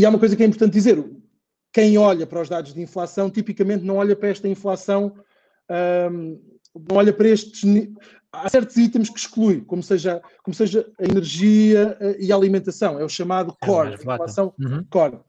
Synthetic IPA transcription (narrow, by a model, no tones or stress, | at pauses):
iaumɐkojzɐkjɛĩpuɾt̪ɐ̃nt̪̚d̪izeɾu | kɐ̃j̃ɔʎɐpɐɾɔʒðaðuʒðĩflˠasɐ̃w̃t̪ipikɐmẽnt̪̚nɐ̃w̃ɔʎɐpɾɐɛʃt̪ɐĩflˠasɐ̃w̃ | ɛ | nɐ̃w̃ɔʎɐpɐɾɐeʃt̪ʒni | asɛɾt̪uzit̪ɐmʃkʃklˠujkomuseʒɐ | komuseʒɐːinɨɾʒiɐɛiɐalˠimẽnt̪ɐsɐ̃w̃ɛuʃɐmaðukɔɾĩfˠasɐ̃w̃kɔɾ